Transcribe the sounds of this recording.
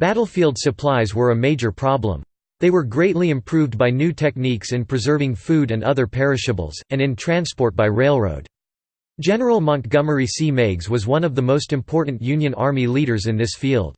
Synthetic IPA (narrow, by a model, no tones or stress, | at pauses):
b̥æɾl̩ˠfilˠdsɨpʰl̥aɪzwə˞ɨmeɪd͡ʒə˞pʰɹ̥ɑblə̰̃m | ðeɪwə˞ɡɹeɪtˡliɨ̃mpʰɹ̥ʉvbaɪnʉtʰɛk̚niksɨ̃npʰɹ̥ɨzɜ˞vɪ̃ŋfʉɾɨ̃nʌ̰ðə˞pʰɛɹɨʃɨbl̩ˠz̥ɨ̃nɨ̃ntʰɹ̥æ̃nspɔɹt̚b̥aɪɹeɪlˠɹo̰ʊd̥ | d̥ʒɛnə˞l̩ˠmʌ̃ŋkɡ̥ʌmə˞isimeɪɡzwʌzwʌ̃nʌvðəmoʊstɨ̃mpʰɔɹʔn̩jʉ̃njɨ̃nɑ̰ɹmiliɾə˞zɨ̃nðɪsfilˠd̥̚